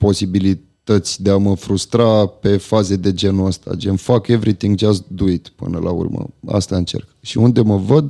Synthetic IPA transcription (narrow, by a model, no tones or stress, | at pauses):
po̞sibili | t̪ət̪sʲd̪e̞aməfɾust̪ɾape̞faze̞d̪e̞d͡ʒe̞nuəst̪a̰d͡ʒenfake̞vɾit̪iŋɡd͡ʒasd̪uit̪pɨ̰nəlʔa̰ṵrmə̰a̰st̪aɨnt͡ʃe̞̰rkʃiund̪e̞məvəd̪